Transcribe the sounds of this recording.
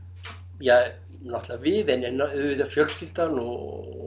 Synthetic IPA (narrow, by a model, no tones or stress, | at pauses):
jɛɣ | naht̪laavɪðɛnɛnːaʏðvɪt̪afjœlscɪft̪anɔ